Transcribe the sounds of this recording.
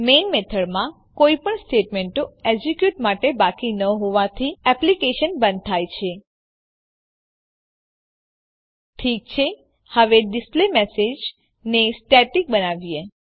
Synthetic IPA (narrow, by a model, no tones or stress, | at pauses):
menmet̪ʰəɽmã | koipəɳsʈeʈmeɳʈoed͡ʒikjuʈmaʈebakinəɦoʋat̪ʰiɛplikeʃənbə̃nd̪̚t̪ʰajt͡ʃʰe | ʈʰik̚t͡ʃʰe | həʋeɖisplemesed͡ʒ | nesʈeʈik̚bənaʋije